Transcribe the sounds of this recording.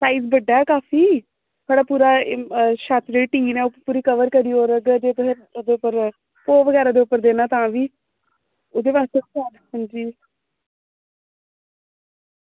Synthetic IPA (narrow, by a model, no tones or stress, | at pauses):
saːizbəɖaːɛːkaːfʰiː | t̪ʰaːɽaːpuːɾaːʃat̪d͡ʒeːiːʈiːnɛːopuːɾiːkəʋəɾkəɾiːoːɾəɡd͡ʒeːt̪oɦe | oːd̪eːʊpːəɾ | poːʋəɡɛːɾaːd̪eːʊpːəɾd̪eːnaːt̪ãːʋiː | od̪eːpaːst̪eanɦə̃nd͡ʒiː